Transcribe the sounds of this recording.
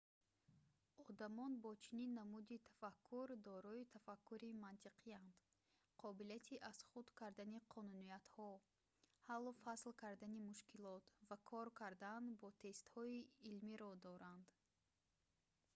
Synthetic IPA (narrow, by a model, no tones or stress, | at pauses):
ɔd̪amɔnbɔt͡ʃʰininːamud̪it̪ʰḁfakʰːuɾd̪ɔɾɔit̪ʰafakʰːuɾimant̪ʰiqʰiand̪̥ | qʰɔbiliat̪ʰiʔaz̥χud̪kʰaɾd̪aniqʰɔnuniat̪hɔ | halːɔfaslkʰaɾd̪animuʃkilɔt̪vakʰɔɾkʰaɾd̪anbɔt̪ʰe̞st̪hɔiːlmiɾɔd̪ɔɾand̪̥